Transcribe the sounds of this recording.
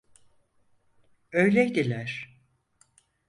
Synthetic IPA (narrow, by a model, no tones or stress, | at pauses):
øjlʲejd̪ilʲæɾ̥